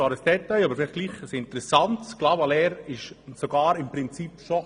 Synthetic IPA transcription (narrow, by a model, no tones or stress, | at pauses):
ɑːɾəsd̥ɛt̪ajɑbəɾfɪlɪχ̚ɡliːχəsɪntəɾɛsɑntklɑːbɑlɛːɾɪʃsoɡɑːɾɪmpɾɪnt͡sipʃo